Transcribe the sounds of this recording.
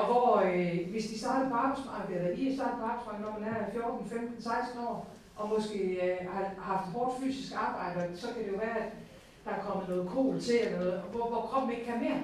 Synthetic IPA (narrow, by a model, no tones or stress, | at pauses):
ɒ̽ʋɒʋe̝sd̥isd̥ɑ̈ːd̥ð̩ˠpʰɒ̽ɑ̈ːb̥ɑ̈ɪsmɑ̈ːɡ̥elɐd̥ḭːisd̥ɑ̈ːd̥̩ˠpʰɒ̽ɑ̈b̥ɑɪsmɑ̈ːɡ̥nɒ̰mænænfjo̝ɐd̥n̩femd̥n̩sɑ̈ɪsd̥n̩ɒ̰ː | ʔɒ̽mɔ̽sɡ̥e̝̰ːhɑ̈hɑ̈fd̥hɒːd̥fy̰ːsisɡ̥ɑ̈ːb̥ɑ̈ɪ̰d̥əɒ̽sɒ̽kʰæd̥e̝jo̝ʋæːɐæd̥ | d̥ɑ̈kʰɒ̽m̰ð̩ˠnɔ̽ːð̞̩ˠkʰo̝̰ːlt͡sʰe̝elɐnɔ̽ːð̩ˠʋɒʋɒkʰʁɒ̽b̥̚n̩e̝ɡ̥̚kʰæmeɐ